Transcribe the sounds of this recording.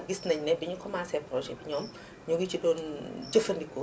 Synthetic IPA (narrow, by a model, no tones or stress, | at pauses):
ɡisnɐɲnɛbiɲukʰɔmaːsɛpɾɔʒɛbiɲɔːm | ɲuɡit͡ʃidɔːnd͡ʒəfɐndikːɔ